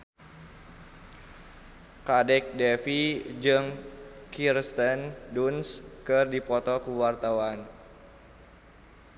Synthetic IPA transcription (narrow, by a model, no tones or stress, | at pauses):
kadɛk̚dɛfid͡ʒɨŋkirst̪əndunskɨrdipɔt̪ɔkuwart̪awan